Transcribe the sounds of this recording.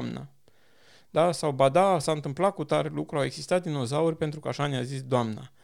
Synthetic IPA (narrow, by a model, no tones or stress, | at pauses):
mna̰ | d̪̥asawbad̪asaɨnt̪ɨmplakut̪aɾelukɾuawe̞ɡsist̪at̪̚d̪ino̞zaurʲpe̞nt̪ɾukəaʃanjazisd̪oamna̰